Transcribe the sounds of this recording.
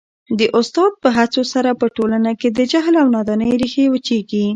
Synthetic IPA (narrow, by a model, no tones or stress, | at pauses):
d̪əʔʊst̪ɑd̪̚pəɦat͡sosaɾapəʈolanaked̪əd͡ʒaɦlawnɑd̪ɑnəjɾixewət͡ʃeɡi